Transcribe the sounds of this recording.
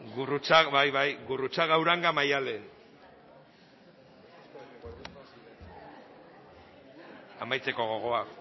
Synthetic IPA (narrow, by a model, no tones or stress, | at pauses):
ɡurut͡saβajβajɡurut͡saɣawɾaŋɡamajale | amajt͡se̞ko̞ɣ̞o̞ɣ̞o̞ak